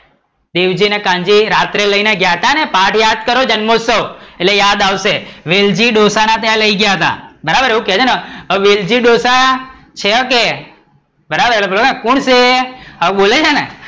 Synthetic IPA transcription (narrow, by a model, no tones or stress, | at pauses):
d̪eʋd͡ʒinekãɲd͡ʒiɾat̪ɾeləineɡjaɦət̪anepaʈʰjad̪̚kəɾod͡ʒənmosəʋeʈlejad̪aʋʃeʋeld͡ʒiɗosanat̪̬jãləiɡjaɦət̪a̰bəɾabəɾeɦũket͡ʃʰeneəʋeld͡ʒiɗosa | t͡ʃʰeke | bəɾabəɾelebəlokãkuɳseabolet͡ʃʰene